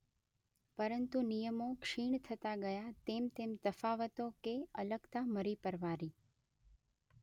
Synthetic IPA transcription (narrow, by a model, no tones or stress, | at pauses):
pəɾənt̪unijəmokʃiɳt̪ʰət̪aɡəjat̪emt̪emt̪əfaʋət̪okeələɡt̪aməɾipəɾʋaɾi